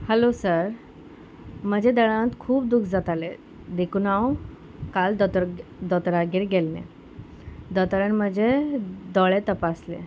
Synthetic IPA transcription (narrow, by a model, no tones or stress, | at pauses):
hɛlosəɾ | m̤əd͡ʑʱed̪əɭãnt̪kʰuːp̚d̪ukʰd͡zat̪ale | d̪ekunaw | kald̪d̪ɔt̪ɾaɡiɾɡelnḛ | d̪ɔt̪əɾəɳm̤əd͡ʑʱed̪ɔɭet̪əpaslḛ